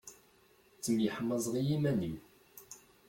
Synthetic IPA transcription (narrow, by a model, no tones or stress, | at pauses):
t͡sːəmjəħəmːəzˤʁijimænim